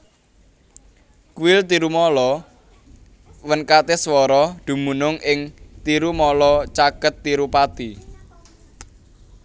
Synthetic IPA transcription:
kuɪlt̪iɾumɔlɔ | wənkat̪eswɔɾɔd̪̥ṳmunʊŋɪŋt̪iɾumɔlɔt͡ʃakət̪ːiɾupat̪i

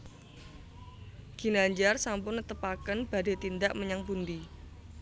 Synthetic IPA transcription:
ɡ̥i̤naɲd͡ʒarsampʊnnət̪əpakənb̥a̤da̤t̪ind̪aʔməɲaŋpund̪i

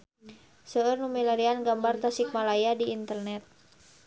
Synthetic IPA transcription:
səərnumilaɾianɡambart̪asik̚malajadiːnt̪ərnɛt̪̚

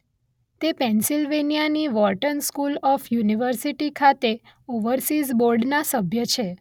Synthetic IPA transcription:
t̪epɛ̃nsilʋenijaniʋɔʈənskulɔfjuniʋəɾsiʈikʰat̪e | oʋəɾsizboɾɖnasəbʱjət͡ʃʰe

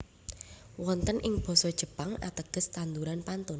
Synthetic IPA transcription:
wɔnt̪ənʔɪŋb̥ɔ̤sɔd̥ʒ̥ə̤paŋa̰t̪əɡ̥ə̤st̪and̪uɾanpant̪ʊn

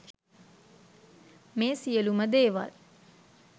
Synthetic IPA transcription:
meːsijəluməd̪eːʋa̰l

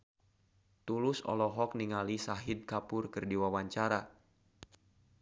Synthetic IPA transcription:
t̪ulʊsɔ̰lɔɦɔk̚niŋalisaɦid̪̚kapʊrkɨrdiwawaɲt͡ʃaɾa

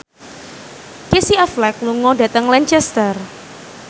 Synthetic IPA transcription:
kesiaflɛk̚luŋɔɖa̤t̪əŋlɛɲt͡ʃɛst̪ər

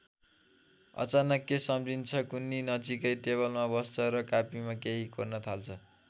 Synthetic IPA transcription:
ʌ̰t͡sanʌkːesʌmd͡zint͡sʰʌkunːinʌd͡zikʌjʈeβʌlmabʌst͡sʰʌɾʌkapimakeɦikornʌt̪ʰalt͡sʰʌ

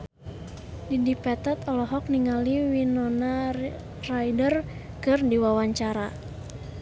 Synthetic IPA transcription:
didipɛt̪ɛt̪ɔlɔɦɔk̚niŋaliwinɔna | rajdər | kɨrdiwawaɲt͡ʃaɾa

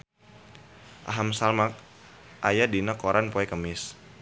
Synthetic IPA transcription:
ʔa̰ɦamsalmak̚ | ʔajadinakoɾʔanpoɛkəmɪs

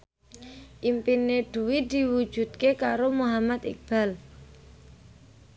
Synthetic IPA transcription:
ʔimpined̪̥uwid̪iwud̥ʒ̥ṳd̪̚kekaɾomuɦamat̪ḭk̚b̥a̤l

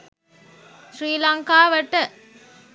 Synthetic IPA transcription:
ʃɾiːlaŋkaːʋɐʈːɐ

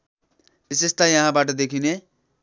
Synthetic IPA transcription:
bisest̪ajʌɦãbaʈʌd̪ekʰine

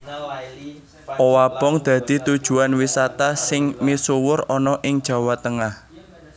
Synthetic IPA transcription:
ʔɔwab̥ɔŋd̪̥a̤d̪̥i̤t̪ud̥ʒ̥ṳanwisat̪asɪŋmisuwʊrɔnɔʔɪŋd̥ʒ̥a̤wat̪əŋah

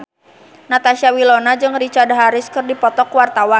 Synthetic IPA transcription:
nat̪aʃiawilɔnad͡ʒɨŋrit͡ʃardɦaɾɪskɨrdipɔt̪ɔkwart̪awa

